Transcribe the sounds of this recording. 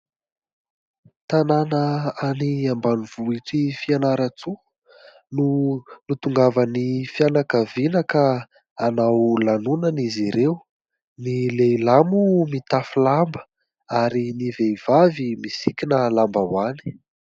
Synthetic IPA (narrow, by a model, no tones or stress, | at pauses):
t̪ananəaniambaniv̥uiʈ͡ʂifianaɾət͡su | nunut̪uŋɡavənifianakəvinakə | anawlanunəniziɾew | nileilamumit̪afulambə̥ | aɾiniveiv̥avimisikʲinəlambawani̥